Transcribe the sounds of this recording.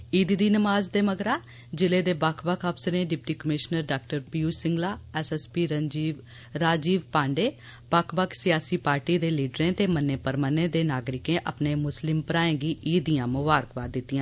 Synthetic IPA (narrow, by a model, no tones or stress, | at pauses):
iːd̪id̪iːnəmaːzd̪eːməɡɾaː | d͡ʒɪleːd̪eːbaːkʰbəkʰəpsɾẽːɖɪp̚ʈiːkəmɪʃnəɾɖaːkʈəɾpiːuːsɪŋɡlaːɛːsɛspiːɾəd͡ʒiː | ɾaːd͡ʒiːʋpãːɳɖeː | baːkʰbəkʰsɪjaːsiːpaːɾʈiːd̪eːliːɖɾẽːt̪eːmənːeːpəɾmənẽːd̪eːnaːɡɾɪkẽːʔə̰pneːmʊslɪmpəɾaːẽːɡiːʔiːd̪ijãːmʊʋaːɾəkʋaːd̪ɪt̪ːiːãː